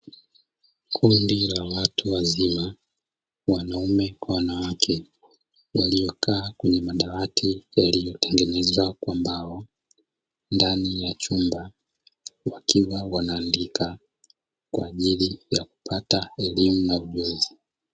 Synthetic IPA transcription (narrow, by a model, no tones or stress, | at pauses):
kʰundilawatuwazima | wanaumɛkwawanawakʰɛ | walijɔkʰaːkwɛɲɛmaɗawatʰijalijɔtɛŋɡɛnɛzwakwambaɔ | ndanijat͡ʃumba | wakʰiwawanaːndikʰa | kwaːʄilijaku̥pʰataɛlimunauʄɔzi